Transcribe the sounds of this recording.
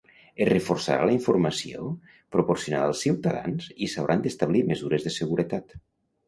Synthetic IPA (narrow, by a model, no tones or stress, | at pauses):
ereforsa̰ɾa̰ləiɱfuɾmasio̰ | pɾopoɾsiunaðalˠsiwt̪aða̰nzisawɾʔand̪est̪aβ̞limezuɾezðeseɣuɾet̪at̪